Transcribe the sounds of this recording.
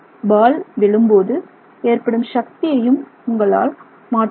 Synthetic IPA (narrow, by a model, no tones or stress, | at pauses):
baːlʋɛɭɯmboːðɯ | eːrpɐɽɯmʃɐkt̪ɪjɐjɯmʊŋɡɐɭa̰ːl | maːʈ